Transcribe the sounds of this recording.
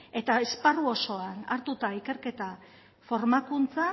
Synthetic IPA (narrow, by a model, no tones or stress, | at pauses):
e̞t̪aesparuo̞so̞anaɾt̪ut̪aike̞ɾke̞t̪a | fo̞ɾmakunt͡sa